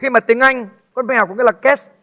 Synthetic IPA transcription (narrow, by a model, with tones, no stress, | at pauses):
xi˧maː˨˩i˨˩əŋʔa˧jŋ̟ | kɔ˨˦ɓŋa˨˩kŋː˨˦˥laː˨˩kɛ˦˥s